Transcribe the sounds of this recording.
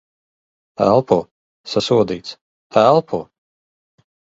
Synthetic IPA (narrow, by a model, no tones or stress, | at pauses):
æ̰lˠpuː | sasuɔd̪iːt̪s | ælˠpʰuː